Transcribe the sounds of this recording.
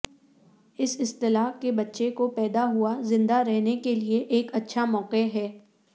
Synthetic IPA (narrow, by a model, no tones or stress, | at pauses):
ɪsɪst̪ɪlaːkːebɐtːʃekopɛːd̪aɦuazɪ̃nd̪aɾɛɦnekelieʔeːkɐtːʃʰamɔːqeɦɛː